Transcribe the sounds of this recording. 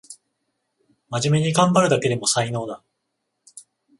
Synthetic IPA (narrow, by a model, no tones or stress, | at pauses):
maʑime̞ɲ̟iɡãmbaɾɯ̟d̪ake̞d̪e̞mo̞saino̞ːna